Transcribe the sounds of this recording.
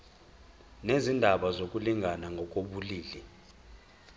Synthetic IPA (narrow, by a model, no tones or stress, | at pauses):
nezindʱaɓazok̬ʼuliŋʱanaŋʱɔk̬ʼoɓuliːlɛ